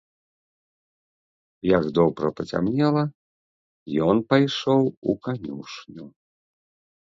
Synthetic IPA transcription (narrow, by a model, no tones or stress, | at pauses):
jɐɡd̪ɔwpɾɐ̰pɐt͡sʲa̰mnʲɛlˠɐ | jɔnpajʂɔwukanʲuʂnʲu